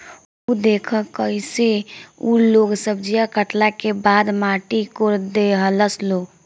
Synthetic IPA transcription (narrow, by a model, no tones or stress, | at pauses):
ud̪ekʰəkəiseuloɡsəbd͡ʒijakəʈlakebad̪maʈikoɾd̪eɦələslo